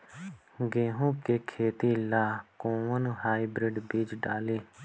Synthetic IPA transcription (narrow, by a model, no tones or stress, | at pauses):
ɡeːɦõːkeːkʰeːt̪iːlaːkõːʋənũːɦaːibɾɪɖbiːd͡ʒɖaːleː